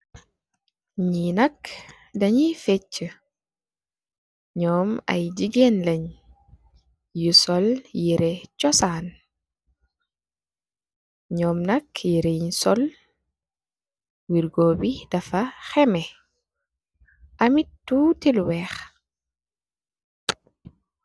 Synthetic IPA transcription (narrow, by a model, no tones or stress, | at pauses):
ɲinɐk | dɐɲifet͡ʃːə | ɲɔːmɐ̰jd͡ʒiɡenlɐɲ | jusɔljiɾɛt͡ʃɔsaːn | ɲɔːmnɐkjiɾejɲsɔl | wiɾɡoːbidɐfaxɛmɛ | ʔamitːutilwɛːx